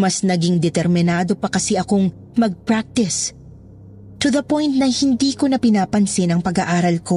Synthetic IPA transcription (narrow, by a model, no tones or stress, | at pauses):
mɐsnɐɡiŋd̪ɛt̪ɛɾmɪnaːd̪o̞pɐkɐsɛʔɐko̞ŋ | mɐɡ̚pɹak̚t̪ɪs | t̪uðɐpõjnt̪̚nɐhɪnd̪iːko̞nɐpɪnaːpɐnsɪnɐŋpɐɡaʔaːɾɐlko̞